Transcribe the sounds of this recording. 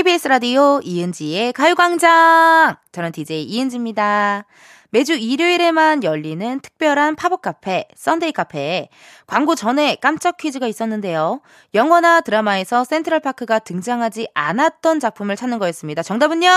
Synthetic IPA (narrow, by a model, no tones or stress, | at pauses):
ibis͈ʰɯɾadioiɯnd͡ʑie̞kajuɡaŋd͡ʑaŋt͡ɕʌnɯntid͡ʑeiɯnd͡ʑimɲida | me̞d͡ʑuiɾjoiɾe̞manjʌʎːinɯntʰɯ̥k̚p͈jʌɾɦanpʰabok͈apʰe̞s͈ʌndeikʰapʰe̞ | kwaŋɡot͡ɕʌne̞k͈amt͡ɕ͈ʌkʰid͡ʑiɡais͈ʌnːɯnde̞jo | jʌŋwʌnatɯɾamae̞sʰʌs͈e̞ntʰɯɾʌɭpʰakʰɯɡatɯŋd͡ʑaŋɦad͡ʑiʔa̰nat̚t͈ʌnt͡ɕak̚pʰumɯɭt͡ɕʰanːɯnɡʌjes͈ɯmɲidat͡ɕʌŋdabuɲːʌ